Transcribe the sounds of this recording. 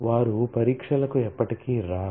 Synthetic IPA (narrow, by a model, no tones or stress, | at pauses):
ʋaːɾupɐɾiːkʂɐlɐkuɛpːɐʈikiːɾaː